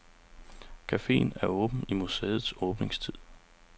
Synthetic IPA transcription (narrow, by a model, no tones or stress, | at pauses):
kʰæfe̝̰ːnæɐɔ̽ːb̥n̩imusḛːð̞̩ˠsɔ̽ːb̥ne̝ŋst͡sʰið̰ˠ